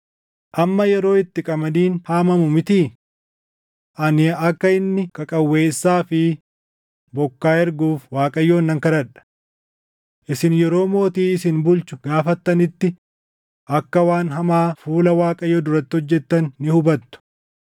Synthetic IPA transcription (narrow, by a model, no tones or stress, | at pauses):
ʔɐmːɐjɛɾo̞ːɪt̪ːɪkʼɐmɐniːnhaːmɐmʊmɪt̪iː | ʔɐnɪɐkːɐɪnːɪkɐkʼɐwːeːsːaːfɪ | bɔkːaːɛɾɡuːfwaːkʼɐjːoːnːɐŋkɐɾɐᶑɐ̥ | ʔɪsɪnjɛɾo̞ːmo̞ːt̪iːɪsɪnbʊlt͡ʃʊɡaːfɐt̪ːɐnɪt̪ːɪ | ʔɐkːɐwaːnɦɐmaːfuːlɐwaːkʼɐjɔd̪ʊɾɐt̪ːɪɔd͡ʒːɛt̪ːɐnːɪhʊbɐt̪ːʊ̥